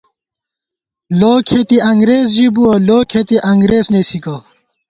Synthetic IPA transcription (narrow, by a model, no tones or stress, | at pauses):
loːkʰet̪iɐŋɡɾez̬d͡ʑibuɐloːkʰet̪iʔɐŋɡɾeːsnesikɐ